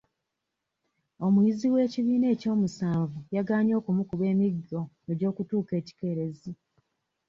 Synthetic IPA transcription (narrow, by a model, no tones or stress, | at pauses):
o̞mwiːziwe̞ːciβiːne̞ːco̞ːmusaːɱvujaɡaːɲo̞ːkumukuβe̞ːmiɡːo | e̞ɟo̞ːkutuːke̞ːci̥ke̞ɾe̞zi